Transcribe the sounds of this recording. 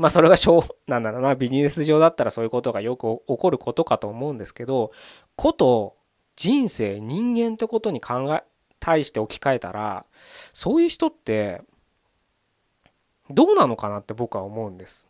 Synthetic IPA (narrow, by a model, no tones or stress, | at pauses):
maːso̞ɾe̞ɡaɕo̞ːnãnd̪aɾonabʲiɲiesɨʑo̞ːd̪at̪ːaɾaso̞ːjɯ̟ko̞t̪oɡajo̞kɯ̟oko̞ɾɯ̟kʰo̞t̪o̞kat̪o̞ːmo̞ɯ̟̃nd̪e̞sɨ̥ke̞d̪o̞ | kʰo̞t̪o̞ | d͡ʑĩɰ̃se̞ːɲ̟ĩŋɡẽ̞nt̪ːe̞ko̞t̪o̞ɲ̟ikʰãŋɡa | t̪ʰaiɕi̥t̪e̞o̞kʲi̥kae̞t̪a̰ɾa̰ | so̞ːjɯ̟ːçi̥t̪o̞t̪ːe̞ | d̪o̞ːnano̞kanat̪ːe̞bo̞kɯ̟βa̰omo̞ɯ̟̃nd̪e̞sɨ̥